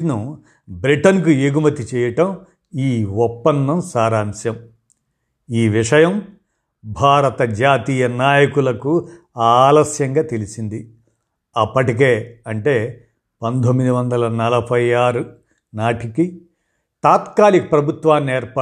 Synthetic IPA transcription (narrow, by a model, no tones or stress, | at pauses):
nu | bɾiʈɐnkueːɡumɐt̪it͡ʃɛːjɐʈɐm | iːɔpːɐnːɐmsaːɾaːnsjɐm | iːʋiʂɐjɐm | bʱaːɾɐt̪ɐd͡ʒaːt̪iːjɐnaːjɐkulɐku | aːlɐsjɐŋɡaːt̪e̞lisind̪i | ɐpːɐʈik̬e̞ːɐɳʈe̞ː | pɐnd̪omːid̪uʋɐnd̪ɐlɐnɐlɐbʱɐjaːɾu | naːʈiki | t̪aːt̪kaːlikɐpɾɐbʱut̪ʋaːnːieːɾpɐ